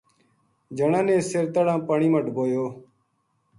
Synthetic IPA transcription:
d͡ʒəɳãːnẽːseɾt̪əɽãːpəɳiːməʈboːjoː

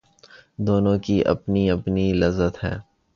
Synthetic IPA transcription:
d̪oːnõkiʔɐ̰pniɐpnilɐzːət̪ɦɛː

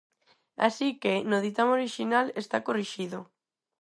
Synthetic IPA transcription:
a̰sikenoð̞it̪amoɾiʃinalest̪akoriʃiðo

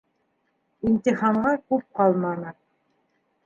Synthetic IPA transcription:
int̪ʲiχɑɴʁɑkʉp̚qɑlˠmɑnɤ

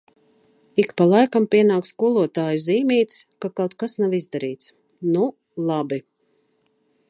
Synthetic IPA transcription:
ikpalˠajkampiɛnaːkskuɔlˠuɔt̪aːjuziːmiːt̪skakawt̪̚kasnavizd̪aɾiːt̪s | nu | lˠabi

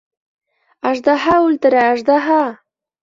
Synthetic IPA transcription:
aʐd̪aɦaʊlt̪əɾaːʐd̪aɦa

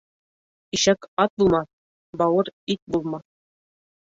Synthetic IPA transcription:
iʃækɑt̪̚bulˠmɑθ | bɑwɤɾit̪̚bulˠmɑ

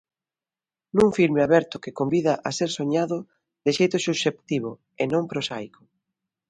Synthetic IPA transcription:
nũŋfiɾmɪaβɛɾt̪ʊkɪkombiðaʔaseɾsoɲaðʊ | ðɪʃejt̪ʊsuʃept̪iβ̞ʊ | enõmpɾosajkʊ̥

